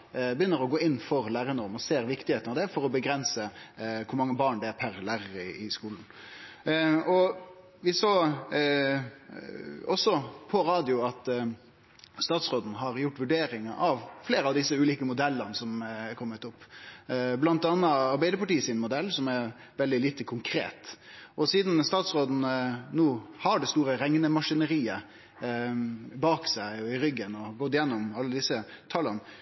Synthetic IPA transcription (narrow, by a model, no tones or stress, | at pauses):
bəjʏnːəɾɔɡoːɪnːfɔɾlæːɾənɔʁmɔseːɾʋɪkt̪ɪheːt̪nɑʋd̪ɛfɔɾɔbəɡɾɛnsəkʰʊɾmɑŋːəbɑːɳɖ̪ɛæpʰæɾlæːɾəɪskuːln̩ | ɔ | ʋɪsoː | ɔsːɔpʰɔɾɑːd̪ɪʊɑt̪ | st̪ɑːt̪sʁoːd̪n̩ɦɑɾjʊʈːʋʉɖeːɾɪŋəʔɑʋfleːɾəɑʋd̪ɪsːəʉːliːkəmʊd̪ɛlːənsɔmɛkʰɔmːət̪ʊpː | blɑnt̪ɑnːɑɑɾbæɪd̪əɾpɑʈiːəsɪnmʊd̪ɛlːsɔmɛɾ | ʋɛld̪ɪliːt̪əkʰʊŋkʰɾḛːt̪ʔɔsiːd̪nst̪ɑːt̪sɾoːd̪n̩noːhɑɖɛst̪uːɾəɾɛŋnəmɑʂɪnəɾiːə | bɑːksæɪɔɪɾʏɡːənɔɡɔt̪ːjɛnːɔmɑlːəd̪ɪsːət̪ʰɑlːən